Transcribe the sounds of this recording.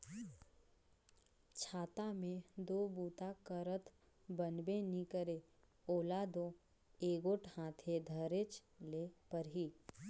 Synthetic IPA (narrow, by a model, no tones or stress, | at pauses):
t͡ʃʰaːt̪amẽd̪oːbuːt̪akəɾət̪ʰ | bənbẽnikəɾe | oːlaːd̪o | eːɡoʈhãːt̪ʰed̪ʱəɾet͡ʃlepəɾɦiː